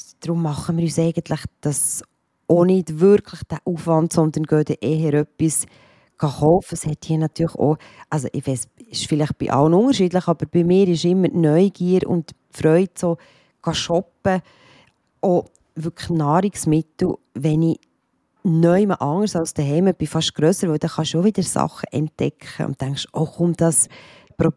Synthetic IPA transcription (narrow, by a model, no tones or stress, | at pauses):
d̥ɾʊmːɑχəmɪːɾyːsɛɪɡ̥əntləχd̥ɑs | ʔonɪdvʏɾkʰləχd̥æʔufvɑntsɔnd̪əɾnɡ̥œːdɛʔɛɦəɾœpːis | ɡ̥ɑχɔʊfəshɛthiːənɑt̪ʰyːɾχo̰ | ʔɑls̬o̰ʔɪʋɛɪsɪʃfɪlɪχt̚b̥ɪ̰ʔɑ̰lənʊŋəɾʃidləχɑb̥əɾb̥ɪmɪːɾɪʃɪmːəɾnœʏɡ̥iːəɾʊ̰nt | fɾœʏdsoː | ɡ̥ɑʃɔpə | ʔo | vʏknɑːɾiksmɪtl̩ | ʋɛni | nœʏməʔɑŋəɾsɑlsd̥əɦɛɪməb̥ɪfɑʃt̚ɡ̥ɾœsəɾvʋœʊd̥ɑχɑʃovɪd̥əɾsɑ̰χəʔɛnt̚dɛ̰kʰχə̰ʊ̰ntːæŋkʃoχʊmd̥ɑs | pɾɔ